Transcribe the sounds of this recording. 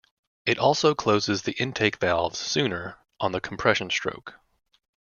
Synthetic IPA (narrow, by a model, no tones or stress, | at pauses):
ɨɾʔɔlˠsoʊkʰl̥oʊzɨzðiʔɪ̃ntʰeɪkv̥ælˠvz̥sʉ̃nə˞ | ʔə̃nðɨkʰm̩pʰɹ̥ɛʃɨ̃n̩stɹ̥o̰ʊk